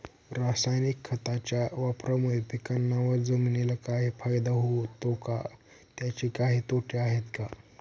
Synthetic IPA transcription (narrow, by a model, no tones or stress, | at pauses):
ɾasajnikʰːət̪at͡ɕjaʋapɾamuɭepikanːaʋəɾd͡zəminilakaɦifajd̪aɦot̪oka̰ | t̪jat͡ɕikaɦiːt̪oʈʰeaɦet̪ka